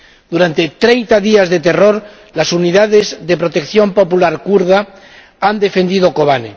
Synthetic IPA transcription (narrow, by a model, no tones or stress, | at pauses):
d̪uɾant̪et̪ɾejnt̪aðiazðe̞t̪e̞ro̞ɾ | lasuniðaðe̞zðe̞pɾo̞t̪e̞kθjo̞mpo̞pulaɾkuɾða | and̪e̞fe̞nd̪ið̞oko̞βanḛ